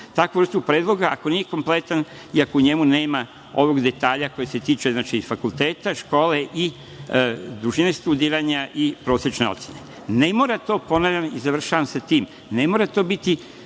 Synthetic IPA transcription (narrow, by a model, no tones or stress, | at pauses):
t̪akoʋɾr̩st̪upɾed̪lˠo̞ɡaako̞nije̞ko̞mple̞t̪an | iako̞uɲe̞mune̞ːma | o̞ʋo̞ɡd̪e̞t̪aːʎako̞jeset̪iːt͡ʃunat͡ʃiifakult̪e̞ːt̪aʃko̞ːle̞ʔi | d̪ɾuʒine̞st̪ud̪iːɾaɲaʔipɾo̞sɾet͡ʃne̞o̞t̪sjene | ne̞mo̞ːɾat̪o̞ːpo̞naʎʲanizaʋr̩ʃaʋamsat̪iːm | ne̞mo̞ːɾat̪o̞ːbit̪i